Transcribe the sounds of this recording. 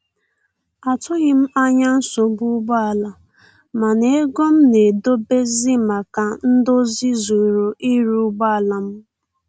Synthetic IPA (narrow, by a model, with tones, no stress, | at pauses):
a˨tʊ˦ɣɪ˦m̩˦a˦ɲa˦n̩˦so˨˦bu˦ɡ͡ba˦a˨la˨ | ma˨ne˦e˦ɡo˦m̩˦ne˨do˦be˦zi˦ma˨ka˨n̩˦do˦zi˦zu˨ɾo˨ʔi˦ɾu˦ɡ͡ba˦a˨la˨m̩˦